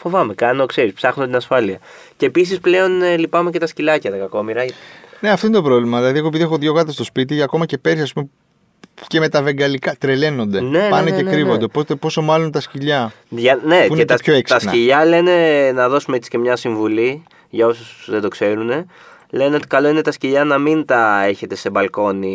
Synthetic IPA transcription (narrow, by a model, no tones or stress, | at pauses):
fo̞vɐme̞kɐno̞kse̞ɾispsɐxnot̪inɐsfɐliɐ | ce̞ːpis̬isple̞o̞nlipɐmece̞t̪ɐscilɐcɐt̪ɐkɐko̞miɾɐne̞ɐft̪o̞inet̪opɾo̞vlimɐðilɐðieɣop̬iðiexo̞ðʝo̞ɣɐt̪est̪o̞spit̪iɐko̞mɐce̞peɾsiɐspume̞ | ce̞me̞t̪ɐve̞ŋɡɐlikɐt̪ɾele̞no̞nd̪e̞nepɐnece̞kɾivo̞nd̪e̞po̞t̪epo̞so̞mɐlo̞nt̪ɐsciʎɐ | ʝɐne̞uinet̪ɐpçoekst̪ɐsciʎɐle̞ne̞nɐðo̞sumeet͡si̥ce̞mɲɐsiɱvuli | ʝɐosusðed̪o̞kse̞ɾune̞ | le̞ne̞o̞t̪i̥kɐlo̞ine̞t̪ɐsciʎɐnɐmint̪ɐe̞çe̞t̪e̞se̞bɐlko̞ni